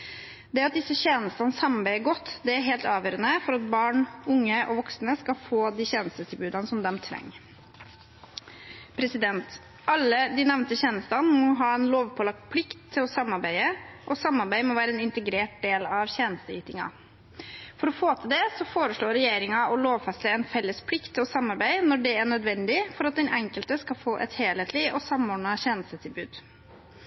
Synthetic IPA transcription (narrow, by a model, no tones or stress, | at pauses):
d̪ɛɾɑt̪̚d̪ɪsːəçeːnəst̪ɑnəsɑmɑɾbæɪəɡɔt̪ːd̪ɛæɾɦeːlt̪ɑːʋjøːɾənəfɔɾɑt̪̚bɑːɳʊŋːəʔɔʋɔksnəskɑfoːd̪iːɕeːnəst̪ət̪ʰɪlbʉːd̪ɑnəsɔmd̪ɛmt̪ʰɾɛ̰ŋː | pʰɾɛsɪd̪ɛnt̪ | ʔɑlːəd̪ɪnɛʋnt̪əçeːnəst̪ɑnmɔɦɑɛnloːʋpʰɔlɑk̚t̪pʰlɪkt̪ʰːɪlɔsɑmːɑɾbæɪəʔɔsɑmːɑɾbæɪmɔʋæːɾəɛnɪnt̪əɡɾeːʈ̚d̪eːlɑʋçeːnəst̪əyːt̪ɪŋɑ̰ | fɔɾɔfoːt̪ʰəd̪ɛsɔfoːɾəʂɭoːɾɛjeːɾɪŋɑʔɔloːʋfɛst̪əɛnfɛlːəspʰlɪkt̪ɔsɑmːɑɾbæɪnɔɖɛæɳœd̪ʋɛnd̪ɪfɔɾɑt̪̚d̪ɛnʔɛŋkəlt̪əskɑfoːʔɛ̰t̪heːleːt̪ʰliʔɔsɑmɔːɖɳɑçɛːnəst̪ət̪ʰɪlbʉːd̪